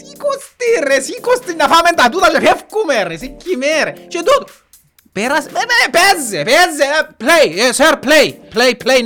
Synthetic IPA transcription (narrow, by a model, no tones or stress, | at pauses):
sikost̪iresikost̪inːafament̪at̪uːt̪at͡ʃapɛfkumɛɾesikːimɛɾet͡ʃɛt̪ut̪ | pɛɾasɛɛpɛzːepɛzːeplɛjɛsɛɾplɛjplɛjplɛj